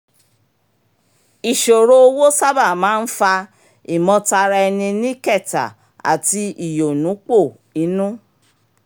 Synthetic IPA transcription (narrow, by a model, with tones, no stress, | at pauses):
i˨ʃo˨ɾo˦o˧wo˦sa˦ba˦˨mãː˨˦n̩˦fa˧ | i˨mɔ̃˧ta˧ɾa˧ɛ˧nĩ˧nĩ˦kɛ˦˨ta̰˨ | a̰˨ti˧i˨jo˨nũ˨˦k͡po˦˨ | i˨˦nũ˦